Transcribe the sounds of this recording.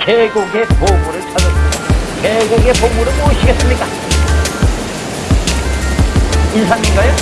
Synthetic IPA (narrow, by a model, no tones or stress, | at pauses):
keɡuɡe̞pomuɾɯɭt͡ɕʰʌd͡ʑʌsmidakeɡuɡe̞poŋuɾɯnoɕʰiɡe̞s͈ɯmɲik͈a | insʰaŋɲiŋɡajo